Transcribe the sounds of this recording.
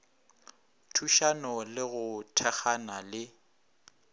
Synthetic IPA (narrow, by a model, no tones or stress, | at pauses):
tʰuʃanɔlɪɣʊtʰɛxanalɪ